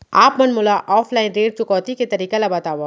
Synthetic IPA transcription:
aːpmɐnmʊlaʔɔːfʰlaːɪ̃nɾeːʈ̚t͡ʃʊkɔːt̪iket̪ɐɾiːkelɐbɐt̪aːʋa

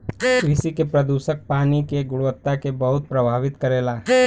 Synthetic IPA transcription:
kɾɪsikepɾɐd̪uːʃək̚paːnikeɡʊɽʋət̪ːakebɐɦʊt̪̚pɾɐbʱaːʋɪt̪kɐɾeːlaː

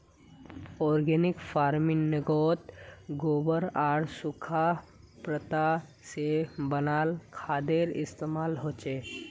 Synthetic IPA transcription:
ɔːɾɡɛːnɪkfaːɾmɪnːɪɡoːt̪ɡoːbəɾaːɽsʊkʰa | pɾət̪a | sebənaːlkʰaːd̪eɾɪ̰st̪eːmaːlɦoːt͡ʃeː

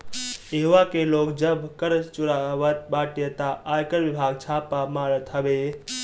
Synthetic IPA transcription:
jeɦuʋakeloːkd͡ʒəbkəɾt͡ʃʊɾaʋət̪̚baːʈjet̪aʔaːjkəɾʋɪbʱaːɡ̚t͡ʃʰaːpamaːɾət̪ɦəbe

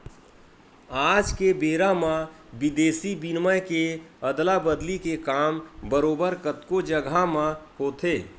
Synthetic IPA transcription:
aːd͡ʒkebeːɾamã | bɪd̪eːsibinməjkeəd̪labəd̪likekaːmbəɾoːbəɾkət̪kod͡ʒəɡʱamãhoːt̪ʰeː

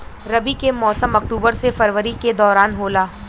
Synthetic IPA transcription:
ɾɐbikemɔːsəmɐk̚ʈuːbəɾsefɐɾʋəɾiked̪ɔːɾaːnɦoːlaː

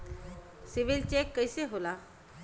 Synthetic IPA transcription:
siʋilt͡ɕekːəjseɦola

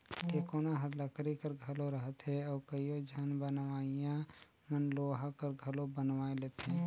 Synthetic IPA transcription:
kekoːnaɦəɾləkɾikəɾɡʱəloɾəɦət̪ɦɛɔːɾkəijod͡ʒʱənbənʋaːijã | mənloɦakəɾɡʱəlobənʋaːeleːt̪ẽː

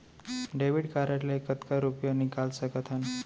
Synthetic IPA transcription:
ɖeʋiɽkaɾaʈlaekət̪kaɾupjənikalsəkət̪ʰan

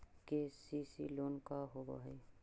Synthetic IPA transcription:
kesisḭloːnkaɦobo̰ɦḛ

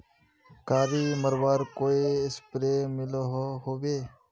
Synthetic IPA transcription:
kaːɾiːməɾʋaːɾkoːiːɪspɾeːmɪloɦohoːʋeː

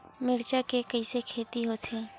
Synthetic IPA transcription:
mɪɾt͡ʃakekɐisekʰeːt̪iɦoːt̪ʰẽː

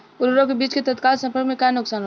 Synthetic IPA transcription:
ʊɾɾõkebiːt͡ʃket̪ət̪kaːlsə̃mpəɾɡmẽkanʊksaːnɦo

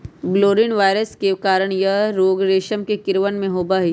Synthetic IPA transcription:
bloːɾɪnʋaːɪɾəskekaːɾəɽ̃jɐɾoːɡɾeːʃəmkekɪɾʋənmẽɦoːbaːɦi

